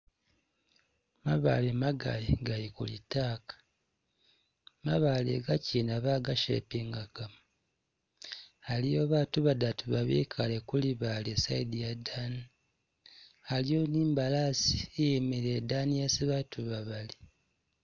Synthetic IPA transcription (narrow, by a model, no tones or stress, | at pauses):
maβa̰lemaɡa̰liɡajikṵlḭtaːkḁ | maβalḛɡacinaβaɡaʃḛpiŋɡaɡ̥amu | alijoβatuβadatuβaβḛːkʰalekuliβalesaidijadani | alijoniːmbalasi̥ejemiɾedanijasiβatʰuβaβali